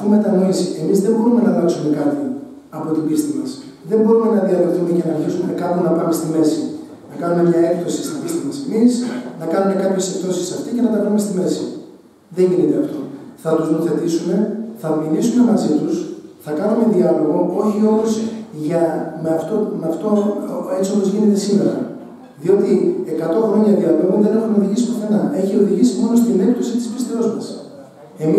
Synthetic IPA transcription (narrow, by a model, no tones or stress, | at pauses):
ɐt̪ime̞t̪ɐnoisiʔe̞mizðembo̞ɾume̞nɐnoisume̞kɐt̪i | ɐpo̞t̪ibist̪imɐs | ðe̞mbo̞ɾume̞nɐðiɐlot̪umecenɐɾçisumenɐkɐnume̞nɐpɐme̞st̪ime̞si | nɐkɐnume̞mɲɐe̞kt̪osi̥st̪ibist̪imɐsemisnɐkɐnume̞kɐpçe̞sekt̪o̞sisɐft̪ice̞nɐt̪ɐpɐumest̪ime̞si | ðe̞ɲʝinit̪e̞ɐft̪o̞θɐt̪uznooθe̞t̪isume̞θɐmiɾisume̞mɐzit̪usθɐkɐnume̞ðiɐlo̞ɣo̞o̞çio̞mosʝɐmeɐft̪omeɐft̪oet͡siopo̞zʝine̞t̪e̞sime̞ɾɐ̰ | ðio̞t̪ie̞kɐt̪o̞xɾo̞ɲɐðiɐlo̞ɣonðe̞ne̞xumeoðiʝisipoθe̞nɐe̞çio̞ðiʝisimo̞no̞st̪ine̞k̚t̪o̞sit̪i̥spist̪eo̞zmɐs | e̞mi